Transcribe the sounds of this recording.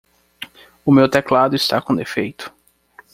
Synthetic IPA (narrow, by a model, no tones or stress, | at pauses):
ʊmewt̪ɛklad̪ʊist̪akõd̪efejt̪ʊ̥